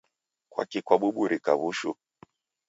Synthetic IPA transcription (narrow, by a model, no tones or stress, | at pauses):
kwa̰kikwaɓuɓuɾʔikaβuʃu